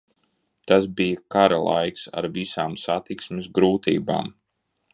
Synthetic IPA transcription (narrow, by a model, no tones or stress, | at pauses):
t̪asbijakaɾalˠa̰jksa̰ɾvisaːmsat̪iksmɪsɡɾuːt̪ḭːba̰ːm